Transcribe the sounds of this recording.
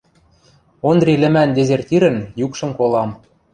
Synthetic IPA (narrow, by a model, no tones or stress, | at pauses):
ond̪rʲilɘ̆mænd̪ʲezʲert̪ʲiɾə̆njukʃɤ̆mkolɑm